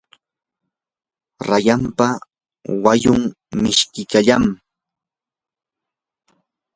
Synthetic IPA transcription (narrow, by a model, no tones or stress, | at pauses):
ɾajampa | wajʊŋ | mɪʃkɪkaʎam